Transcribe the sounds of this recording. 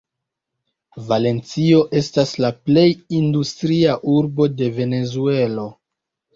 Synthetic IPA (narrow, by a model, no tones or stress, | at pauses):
vale̞nt͡sio̞ʔe̞staslaple̞jindustɾiaʔuɾbo̞de̞ve̞ne̞zue̞lo̞